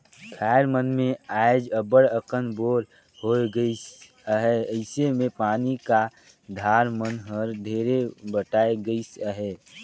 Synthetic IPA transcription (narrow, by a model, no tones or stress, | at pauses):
kʰaːɪɾmənmẽaːɪd͡ʒəbəɽəqənboːɾ | hoːɡəis | əɦɛəɪsemẽpaːnika | d̪ʱaːɾmənɦəɾd̪ʱeːɾebəʈaːeɡəisəɦɛː